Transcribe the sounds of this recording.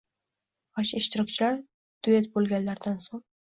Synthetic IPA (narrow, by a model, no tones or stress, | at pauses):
ɒʃɪʃt̪ɪɾɒkʲt͡ʃʰɪlaɾ | t̪ʊet̪bolˠɡʲanlaɾd̪ansoŋ